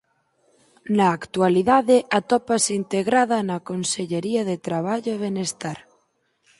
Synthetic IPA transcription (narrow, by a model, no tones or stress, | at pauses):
naːkt̪ualiðaðeʔat̪ɔpasint̪eɣɾaðanakonseʎeɾiaðet̪ɾaβ̞aʎoeβenest̪aɾ